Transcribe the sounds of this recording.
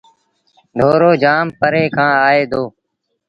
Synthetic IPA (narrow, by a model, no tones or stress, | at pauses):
ɖʱoːɾoːd͡ʒaːmpəɾeːkʰãːaːeːd̪oː